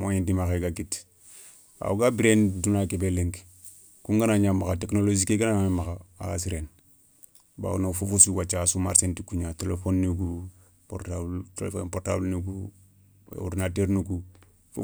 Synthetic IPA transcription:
moɲintimaxeɡaɡit | a̰uɡabiɾendunakebeleŋk | kuŋɡanaɲamaxateknolod͡ʒikeɡanaamemaxaa̰a̰s̬iɾen | ba̰unofufusiwat͡ʃːasumaɾsentikuɲatelefonːiɡu | po̰ɾtabltelfonpoɾtablniɡṵ | ṵɾnateɾnuku | fu

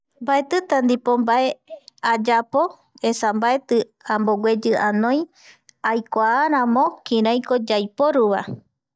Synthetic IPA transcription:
mbae̞t̪ɨt̪and̪ipombae̞ad͡ʒapo̞ | e̞sambae̞t̪ɨ | amboɡwed͡ʒɨʔanõj̃ | ajkʷaːɾãmõkĩɾãj̃kod͡ʒajpoɾuβa̰

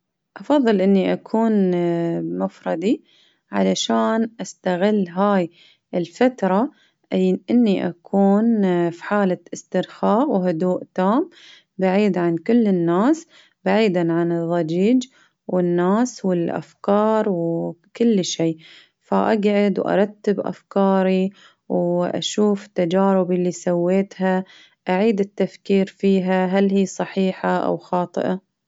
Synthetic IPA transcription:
ʔɑfɑðˤːɨlʔɪnːiʔakʰuːn | mʊfɾˤɑd̪ˤi | ʕa̰laʃaːnʔast̪aɣɪlːɦaːj | ʔɪlfat̪ɾˤɑ | ʔʔɪnːiʔa̰kʰuːnfi̥ħaːlaʔɪst̪ɪɾxɑːʔwɦʊd̪uːʔt̪aːm | baʕiːd̪ʕankʊlːɪnːaːs | baʕiːd̪aʕanɨðˤːɑd͡ʒiːd͡ʒ | wɪnːaːswɪlʔa̰fkɑːɾˤwkʊlːʃeː | faʔaɡʕɪd̪wʔɑ̰ɾˤɑt̪ːɪbʔa̰fkɑːɾi | wʔa̰ʃuːft̪ːad͡ʒaːɾɪbɪlːisawːeːt̪ha | ʔaʕiːd̪ɪt̪ːafkiːɾfiːɦaɦalhiːsˤɑħiːħaʔa̰wxɑːt̪ˤɨ̰ʔa

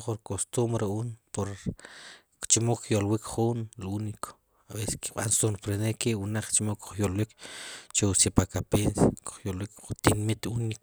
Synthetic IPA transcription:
χuɾkost̪umbɾuuːnpoɾ | kt͡ʃimoχkjolwikχunlunikʰo̥ | abese̥ski̥ɓa̰nsunɾpɾenekewunaq͡χt͡ʃimoku̥χjolwikt͡ʃeusipakapensaku̥χjolwikχut̪inmit̪unik

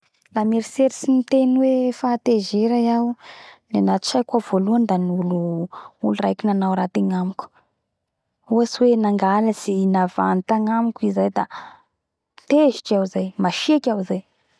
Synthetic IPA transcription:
lameɾiseɾisinit̪enwefat̪ezeɾajawnanat̪i̥t͡ʃajkavoluand̪aniuluulurajkʲinanawɾat̪iɲamuk | uasiwenaŋɡaləsinava̰nit̪aŋamikʲizajd̪a | t̪eziʈ͡ʂawzajmaʃiekʲawizaj

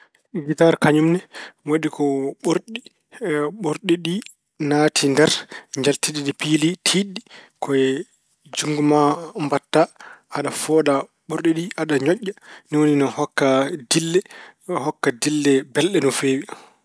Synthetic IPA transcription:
ɡitaɾkaɲumnɛwoɗikɔɓoɾɗi | ɓoɾɗiɗi | naːtʰindɛɾɲd͡ʒaltiɗiɗipilitʰiɗːikʰɔ | d͡ʒuŋɡumambatːaʔaɗafɔːɗa | ɓoɾɗiɗiʔaɗaɲɔʔːaniwoninɔhɔkːadilːɛhɔkːadilːɛbɛlɗɛnɔfeːwi

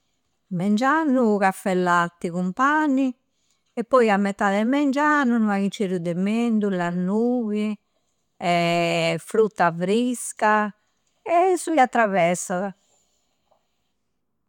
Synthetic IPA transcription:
mɛnd͡ʒanːuɣafːɛlːat̪ːiɣumpanːi | ɛpːɔjamːɛt̪ːaðɛmɛnd͡ʒanunmaɣit͡ʃːeɾud̪ɛmend̪ulanuːβi | ɛfɾut̪ːafɾiska | ɛsuat̪ːɾaβɛɾsaða

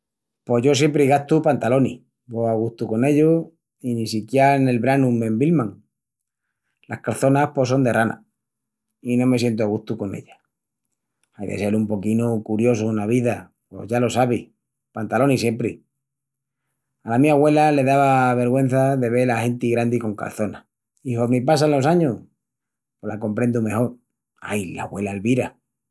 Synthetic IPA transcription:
po̞ʝo̞s̬je̞mpɾiɣat̪upant̪alo̞ni | boaɣuht̪uko̞ne̞ʎo | inisikjeaene̞lβɾanume̞mbilmãŋ | la̰hkalθo̞nahpo̞s̬o̞nd̪e̞rʔana̰ | inõ̞me̞sje̞nt̪uaɣ̞ut̪uko̞ne̞̰ʎa | ajðḛse̞lumpo̞kinukuɾjo̞sunaβ̞iða | po̞̰zʝalo̞saβi | pant̪alonisje̞mpɾi | alamiaɣwe̞lale̞ðaβaβe̞ɾɣwe̞n̟θaðe̞β̞e̞laxe̞nt̪iɣɾand̪iko̞ŋka̰lθo̞na̰ | ixomipasanlo̞saɲo | polako̞mpɾe̞nd̪ume̞xoɾ | a̰jla̰ɣwe̞lalβiɾa

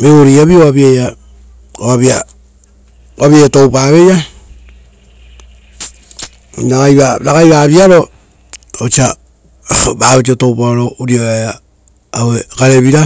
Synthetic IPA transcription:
meoɾiaβioβaβiaja | owaβia | βaβiajatowpaβe̞ja | nakajβaɾakajβaβiaɾo̞ | ot͡ʃa | baβet͡ʃ̬otowpaɾouɾioajaː | wekaɾeβiɾa

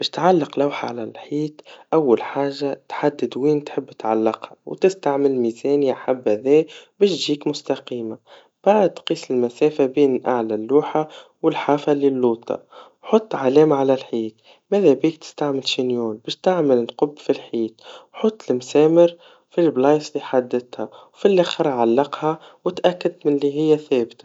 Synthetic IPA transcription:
bɛːʃt̪ʕalːɪqlaːħa̰ʕalælħiːt̪ʔawːalħaːʒːat̪ħad̪ːɪd̪wiːnt̪ħɪbːɪ̥t̪ʕalːɑqhawt̪ɪst̪aʕmɪlmiːzɛːnjaħabːhæðɛːbɛːʃʒiːkmʊst̪aqiːma | b̥aʕəd̪̚qiːsɪlmæsɛːfabiːnlʔaʕlalːuːħawɪlħaːfalɪlːuːt̪ʰˤɑ̰ | ħot̪ˤːʕalɛːmʕalælħiːt̪ | mæðæbiːk̚t̪ɪ̥st̪aʕmɪlʃinjuːlbæːʃt̪aʕmɪlɪlqʊbːfilħiːt̪wħot̪ˤːlmsɛːmɪɾ | filblɑːsˤliħad̪ːɪt̪hæwfilːixɑɾˤʕalːɑqha | wɪt̪ʔækːad̪̚mɪnliɦɪjːæθɛːbt̪ḁ

